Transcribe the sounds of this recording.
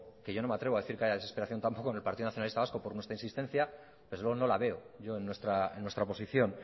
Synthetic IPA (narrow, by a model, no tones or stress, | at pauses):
keʝo̞no̞meat̪ɾe̞βaðeθiɾkeaʝaðe̞sepe̞ɾaθjont̪ampo̞koene̞lpaɾt̪iðonaθjonalist̪aβasko̞po̞ɾnwet̪ɾainsist̪e̞n̟θja | ðezwe̞ono̞laβe̞oʝo̞e̞nːwest̪ɾaḛnːwe̞st̪ɾaopo̞siθjo̞n